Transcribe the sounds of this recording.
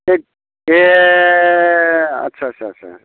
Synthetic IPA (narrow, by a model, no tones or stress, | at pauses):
e | e | ɐ̰tːʃʰaətt͡ʃʰaːa̰